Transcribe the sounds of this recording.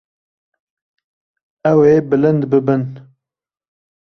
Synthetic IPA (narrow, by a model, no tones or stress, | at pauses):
ɛwebɨlɨnd̪bɨbɨn